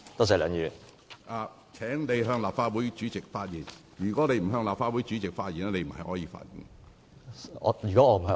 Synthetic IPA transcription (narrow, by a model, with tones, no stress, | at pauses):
t̪sɐ˨˩lœː˨˧ŋjyː˨n | ʔaː˨˧ | t͡sʰɛː˨˥ŋne˨˧jɦœː˧ŋlaː˨p̚faː˧t̚wu˨˥jt͡ʃyː˨˥t͡sɪ˨k̚faː˧t̚jiː˨˩n | jyː˨˩kɔː˨˥ne˨˧jm̩˨˩ɦœː˧ŋlaː˨pfaː˧t̚wu˨˥jt͡ʃyː˨˥t͡sɪ˨k̚faː˧t̚jiː˨˩nɛ˥ne˨˧jm̩˨˩hɐ˨jhɔː˨˥jiː˨˧fa̰ː˧t̚jḭ˨˩n | ɔ̰˨˧y˨kɔː˨˥ɔː˧m̩˨˩hɐ˨˧